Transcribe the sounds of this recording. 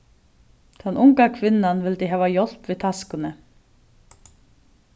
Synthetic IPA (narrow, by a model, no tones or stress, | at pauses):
t̪ʰɛnʔʊŋkakʰvɪnːanvɪlt̪ɪɦæːvajɔl̥pviːðt̪ʰaskʏnə